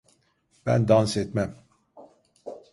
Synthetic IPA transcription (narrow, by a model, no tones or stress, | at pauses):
b̥æ̰nd̪ɑnsɛt̪̚mɛm